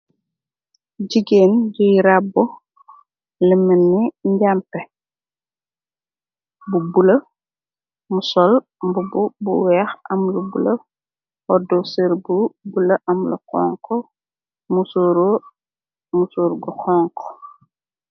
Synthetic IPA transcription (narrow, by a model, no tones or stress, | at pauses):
ɟiɡeːnɟujɾabːɔ | limənːiɲɟampɛ | bubulɐ | musɔl | mbububṵwɛːxʔɐmlubṵlɐ | wɔdɔsəɾbubulɐʔɐmlṵkɔ̰ŋkɔ | musuɾ | musuɾɡɔxɔːŋkɔ̥